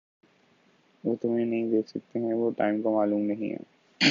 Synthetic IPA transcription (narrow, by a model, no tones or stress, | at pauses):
ʋoːt̪ʊmẽnɐɦĩd̪eːksɐk̚t̪eɦɛ̃ʋoʈa̰ːɪmkamaːluːmnɐɦḭ̃ɦɛ̰ː